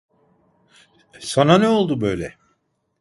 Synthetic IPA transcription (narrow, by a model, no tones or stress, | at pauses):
sananɛo̞lˠd̪ubø̞jlʲɛ